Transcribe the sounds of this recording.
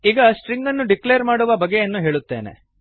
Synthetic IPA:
iːɡɐsʈɾiŋɡɐnːuɖikleɐɾmaːɽuʋɐbɐɡːejɐnːuɦe̞ːɭut̪ːe̞ːnḛ

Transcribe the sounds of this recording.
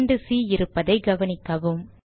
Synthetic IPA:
ɳɖɯsiːɪɾɯpːɐðɐɪɡɐʋɐnɪkːɐʋɯm

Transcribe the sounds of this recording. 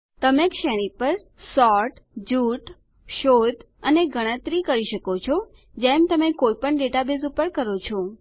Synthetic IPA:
t̪əmekʃeɽ̃ipəɾ | sɔʈd͡ʒuʈ | ʃod̪ʱ | əneɡʱəɽ̃ə̃t̪ɾikəɾiʃəkot͡ʃʰɔ | d͡ʒemt̪əmekojpəɳɖeʈabezupəɾkəɾot͡ʃʰɔ

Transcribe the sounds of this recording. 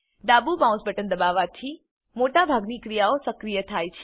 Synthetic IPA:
d̪abubãw̃sbəʈənd̪əbaʋat̪ʰi | moʈabʱaɡnikɾijaosəkɾijət̪ʰajt͡ʃʰ

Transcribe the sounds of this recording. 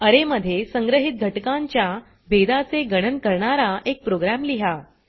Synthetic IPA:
əɾeməd̪ʱːjesəŋɡɾəɦit̪̚ɡʱəʈkãɲt͡ɕja | bʱed̪at͡seɡəɽ̃ənkəɾɳaɾaʔek̚pɾoɡɾæmliɦa

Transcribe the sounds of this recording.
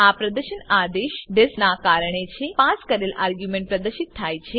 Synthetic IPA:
apɾɐd̪əɾɕənaːd̪eːʃɖ̪esnaːkaːɾɳ̃et͡ɕʰepaːskəɾeːlaːɾɡjumẽɳʈ̚pɾɐd̪əɾʃit̪ʰːajt͡ɕʰe

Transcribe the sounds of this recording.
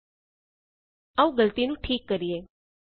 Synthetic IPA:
aʋũɡəlt̪inũʈʰiːkːəɾieː

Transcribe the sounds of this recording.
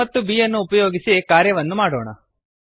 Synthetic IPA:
ɐt̪ːubijɐnːuːpɐjo̞ːɡisikaːɾjɐʋɐnːumaːɽo̰ːɳɐ̰

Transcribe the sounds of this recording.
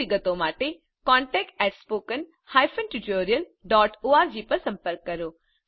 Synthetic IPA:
iɡət̪õmaːʈe | kɔ̃ːɳʈɛːk̚ʈɛːʈspoːkən | haːjfʰənʈuʈoːɾiəlɖɔːʈoːaːɾd͡ʑiːpɐɾsɐ̃mpəɾkːɐɾoː

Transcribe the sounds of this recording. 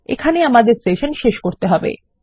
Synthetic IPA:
ḛkʰaneamad̪eɾsʈeʃonʃeʃkoɾt̪eɦɔbḛ

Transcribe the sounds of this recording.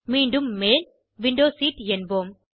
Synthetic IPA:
miːɳɖumːeːl | ʋiɳɖoːsiːʈɛnboːm

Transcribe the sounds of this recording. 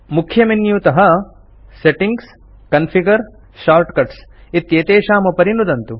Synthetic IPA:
mukʰːjɐminjut̪ɐɦɐ | seʈiŋɡs | kɐnpʰiɡɐɾ | ʃaːɾʈkɐʈsit̪jeːt̪eːʃaːmɐpɐɾinud̪ɐnt̪u

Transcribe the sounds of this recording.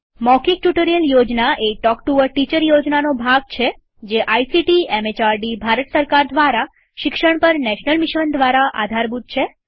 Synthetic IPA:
mɔkik̚ʈuʈoɾijəljod͡ʒnaʔeʈɔkʈuʋəɾʈit͡ʃəɾjod͡ʒnanobʱaɡ̚t͡ʃʰe | d͡ʒeʔajsiʈiemet͡ʃaɾɖibʱaɾət̪səɾkaɾd̪ʋaɾa | ʃɪkʃəɽ̃pəɾnɛʃnəlmɪʃʋənd̪ʋaɾaʔa̰d̪ʱaɾbud̪̚t͡ʃʰe

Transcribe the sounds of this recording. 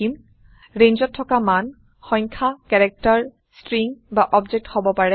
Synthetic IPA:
im | ɹẽɲd͡ʒɔtʰːɔkaman | xɔŋkʰakɛɹɛk̚taɹ | stɹiŋbaʔɔbd͡ʒɛk̚thobɔpaɹɛ

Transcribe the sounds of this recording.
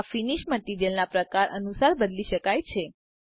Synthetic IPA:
finiʃməʈiɾijəlnapɾəkaɾʔə̰nusaɾbəd̪liʃəkajt͡ʃʰe

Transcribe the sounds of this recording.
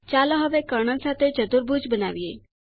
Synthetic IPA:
t͡ʃalõɦəʋekəɾɳənsat̪ʰet͡ʃəd̪uɾbʱud͡ʒbəna̰ʋie

